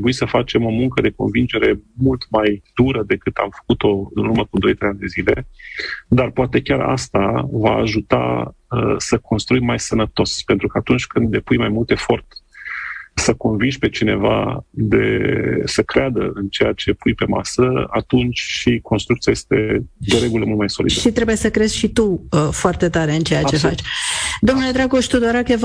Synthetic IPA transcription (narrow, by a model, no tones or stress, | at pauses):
buisəfat͡ʃe̞mo̞muŋkəd̪e̞ko̞̰nvind͡ʒe̞ɾe̞mult̪majd̪uɾəd̪e̞kɨt̪a̰mfə̥kut̪o̞ɨ̰nurməkud̪o̞jt̪ɾejand̪ezile̞ | d̪arpoat̪e̞kʲara̰st̪avaːʒut̪a̰ | əsəkʰo̞nst̪ɾujmajsənət̪o̞spent̪ɾukəat̪unt͡ʃʲkɨnd̪le̞pujmajmult̪e̞fo̞rt̪ | səko̞nvinʃʲpe̞t͡ʃine̞va̰d̪e̞̰səkɾead̪əɨnt͡ʃe̞jat͡ʃe̞pujpe̞ma̰səa̰t̪unt͡ʃʲʃikonst̪ɾukt̪siaje̞st̪e̞̰d̪eɾe̞ɡuləmult̪majso̞lid̪əʃit̪ɾe̞buje̞səkɾe̞z̥ʲʃit̪uəfoart̪e̞t̪aɾe̞ɨnt͡ʃe̞jat͡ʃe̞fat͡ʃd̪o̞mnule̞d̪ɾaɡo̞ʃt̪ud̪oɾakev